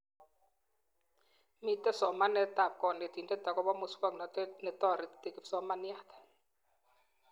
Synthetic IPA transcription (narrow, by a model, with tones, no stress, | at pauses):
mi˦˨t̪ɛ˦sɔ˨ma˦nɛ˨t̪a˨p̚kɔ˨nɛ˨t̪i˨ndɛ˦t̪a˨kɔ˦bɔ˦mo˨swa˦knɔ˨tnɛ˨t̪ɔ˦˨ɾi˨t̪e˨ki˨psɔ˦ma˦ni˦a˦˨t̪ɛ̥˨